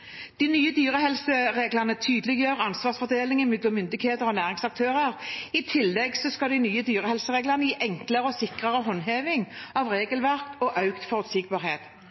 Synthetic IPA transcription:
d̪̥inyːəd̪yːɾəhɛlsəʁeːɡlənət̪ʰyːd̪əlɪɡjøːʁɑnsʋɑːsfɔd̪eːlɪŋɪmɪd̪lɔmːʏnd̪ɪkheːt̪əɾɔnæːʁɪŋsɑk̚t̪ʰøːʁəʁɪt̪ʰɪlːɛɡsɔskɑld̪ɪnyːəd̪yːɾəhɛlsəʁeːɡlənəiːʔɛŋkləɾəɔsɪkʁəʁəɦɔnɦeːʋɪŋɑʋʁeːɡəlʋæʁkɔʔɑʉkt̪fɔʁʉt̪sɪɡ̚bɑːʁheːt̪

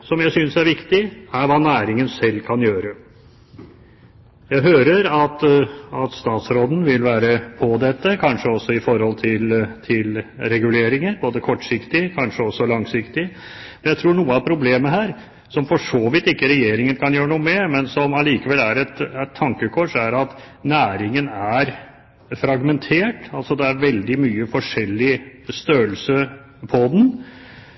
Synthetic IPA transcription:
sɔmjæɪsʏnsæɾʋɪkt̪ɪæɾʋɑːnæːɾɪŋənsɛlːkʰɑnjøːɾə | jæɪɦøːɾəɾɑt̪ɑt̪st̪ɑːt̪sɾoːd̪n̩ʋɪlʋæːɾəpʰɔd̪ɛt̪ːəkʰɑnʂəɔsːɔɪfɔɾhɔlt̪ʰɪlt̪ʰɪlɾɛɡʉleːɾɪŋəɾboːd̪əkʰɔʈːʂɪkt̪ɪkʰɑnʂəɔsːɔlɑŋsɪkt̪ɪ | mɛnjæɪt̪ʰɾuːɳuːəɑʋpʰɾʊbleːməhæːɾ | sɔmfɔʂoːʋɪt̪ːɪkːəɾɛjeːɾɪŋənkʰɑnjøːɾəɳuːəmɛmɛnsɔmɑliːkəʋɛlːæɾɛt̪æt̪ʰːɑŋkəkʰɔʂæɾɑt̪næːɾɪŋənæɾ | fɾɑɡmɛnt̪ʰeːʈɑlsɔd̪ɛæɾʋɛld̪ɪmyːəfɔʂɛlːɪst̪øːəlsə | pʰɔd̪ɛn̩

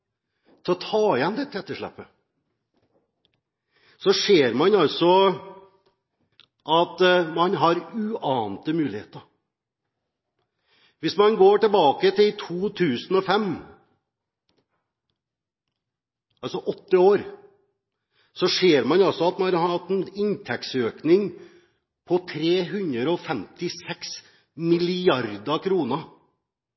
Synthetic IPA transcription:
t̪ʰɛɔt̪ʰɑːɪjɛnd̪ɛt̪ʰːɛt̪ːəʂɭæ̰pːə | sɔʂeːɾmɑnɑlsɔ | ʔɑt̪mɑnɦɑɾʉʔɑːnt̪əmʉːlɪhḛːt̪əɾ | ʋɪsmɑnɡoːʈɛlbɑːkət̪ʰɪlt̪ʰuːt̪ʰʉːsn̩ɔfɛm | ɑlsɔʔɔt̪ːəoːɾ | sɔʂeːɾmɑnɔsɔɑt̪mɑhɑɑt̪ːnɪnt̪ʰɛksøːknɪŋ | pʰɔt̪ʰɾeːɦʉnɾəɾɔfɛmt̪ɪsɛks | mɪlɪɑɾd̪ɑkʰɾuːnə

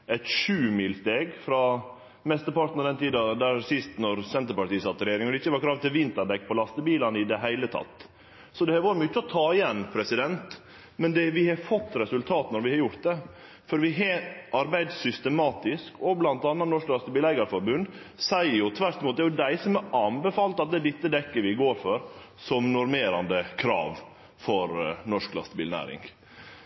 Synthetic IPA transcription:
ɛt̪ʃʉːmiːlst̪eːɡfɾɑ | mɛst̪əɾpɑʈ̪n̩ɔd̪ɛnt̪iːd̪ɑd̪æɾsɪst̪nɔɾsɛnt̪əɾpɑʈiːəsɑt̪ːɾɛjeːɾɪŋɔd̪ɛɪçːəʋɑɾkʰɾɑːʋt̪ɪlʋɪnt̪əɖɛkːpʰɔlɑst̪əbiːlɑnɪd̪ɛɦæɪlət̪ʰɑ̰t̪ː | sɔd̪ɛhɛʋɑːɾəmʉt͡ʃːəɔt̪ʰɑːɪjɛnːpʰɾɛsɪd̪ɛnt̪ | mɛnd̪ɛʋɪhɑfɔt̪ːɾɛsʉlt̪ʰɑːt̪nɔɾʋɪhɑɾjʊɾt̪̚d̪ɛ | fɔɾʋɪɦɑʔɑɾbæɪd̪sʏst̪əmɑːt̪ɪskɔblɑnt̪ɑːnːɑnɔʂklɑst̪əbiːlæɪɡəɾfɔɾbʉnd̪ | sæɪəɾjʊt̪ʰʋæɾt̪muːt̪d̪æɾjʊd̪æɪsɔmɛɾɑmbɛfɑːlt̪ɑt̪̚d̪ɛːd̪ɪt̪ːəd̪ɛkːəɾʋɪɡoːɾfɔɾ | sɔmnʊɾmeːɾɑnd̪əkʰɾɑ̰ːʋ | fɔɾnɔʂklɑ̰st̪əbḭːlnæ̰ːɾɪ̰ŋɡ

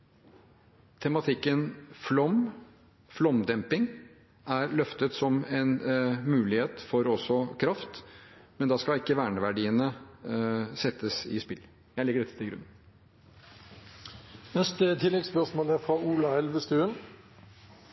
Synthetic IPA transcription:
t̪ʰɛmɑt̪ʰɪkːənflɔm | flɔmd̪ɛmpɪŋ | ʔæɾlœft̪ət̪sɔmɛnmʉːlɪheːt̪fɔɾɔsːɔkʰɾɑft̪mɛnd̪ɑːskɑɪkːəʋæːɳəʋæɖiːənə | sɛt̪ːəsɪspɪl | jæɪlɪɡːəɖɛt̪ːə̥t̪ɪɡɾʉ̰nːən | nɛst̪ət̪ʰɪlːɛɡspœʁsmoːlæɾfʁɑuːlɑɛlʋəst̪ʉːən

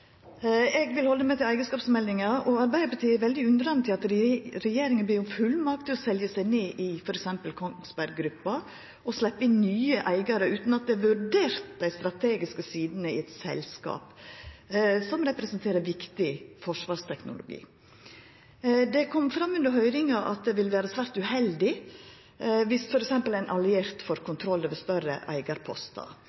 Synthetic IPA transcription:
ɛɡʋɪlhɔlːəmɛt̪ɪlæɪɡəskɑːpsmɛld̪ɪŋɑɔɑɾbæɪəɾpʰɑt̪iːæɾʋɛld̪ɪʉnd̪ɾɑnt̪ʰɪlɑt̪ɾɛjeːɾɪŋənb̪iːɾʊmfʉlːmɑk̚t̪ɪlɔsɛljəsæɪneːʔɪfɔɾɛksɛmpəlkʰɔsbæɾɡɡɾʉpːɑ | ɔslɛpːəɪnːyːəʔæɪɡɑɾəʉːt̪nɑt̪̚d̪ɛʋʉɾɖeːɾt̪d̪æɪst̪ɾɑt̪ʰeːɡɪskəsiːd̪nəɪ̰ɛt̪sɛ̰lskɑ̰ːp | sɔmɾɛpɾɛsənt̪ʰeːɾəɾʋɪkt̪ɪfɔʂʋɑːʂt̪ʰɛknʊ̰lʊ̰ɡḭː | d̪ɛkʰɔmːfɾɑmːʉnd̪əɾɦœʏɾɪŋɑʔɑ̰t̪̚d̪ɛʋɪlʋæːɾəsʋæːɾt̪ʉhɛld̪ɪ | ʋɪsfɔɾɛksɛmpəlæɪnʔɑlɪeːɾt̪fɔɾkʰʊnt̪ʰɾɔlːəʋəst̪œrə̰ʔæ̰ɪɡɑɾpʰɔ̰st̪ɑ̰

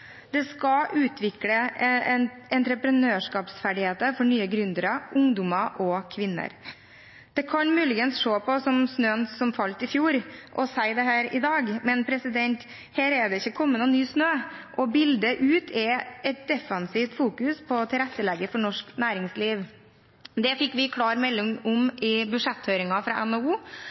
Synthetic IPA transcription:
d̪ɛskɑʔʉːt̪ʰʋɪklə | ɛnt̪ɾəpɾənøːʂkɑːpsfæɖɪheːt̪əfɔɳyːəɡɾʉnd̪əɾɑʔʊŋd̪ʊmɑʔɔkʰʋɪnːə̰ɾ | d̪̥ɛkʰɑnmʉːlɪɡənsʂoːpɔsɔmsnøːənsɔmfɑlt̪ɪfjuːɾʔɔsæɪd̪ɛhæːɾɪd̪ɑːɡmɛnpʰɾɛsɪd̪ɛnt̪ | hɛːɾɛd̪ɛɪçːəkʰɔmːənɑnːyːsnøːʔɔbɪld̪əʔʉːt̪ʰɛʔɛt̪̚d̪ɛfɑnsiːft̪fuːkʉspʰɔt̪ʰɪɾɛt̪ːəlɛɡəfɔɳɔʂknæːɾɪŋsliːʋ | d̪ɛfɪkːʋɪkʰlɑːɾmɛlːʊŋʊmʔɪbʉʂɛt̪høʏɾɪŋɑfɾɑ̰ʔɛnouː

